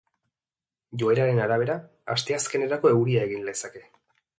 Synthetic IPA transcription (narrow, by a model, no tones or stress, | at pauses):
ʝoe̞ɾaɾe̞naɾaβ̞e̞ɾa | a̰st̪e̞aske̞ne̞ɾako̞e̞ɣuɾiae̞ɣinlesake̞